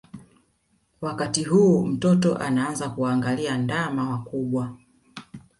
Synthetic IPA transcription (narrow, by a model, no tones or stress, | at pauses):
wakatiɦuːm̩tɔtɔ̰ʔa̰naanzakuaːŋɡaliandamawakuɓwa